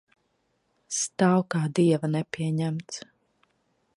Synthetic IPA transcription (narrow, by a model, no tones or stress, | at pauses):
st̪awkaːd̪iɛvɐnɛpʲiɛɲæmt̪s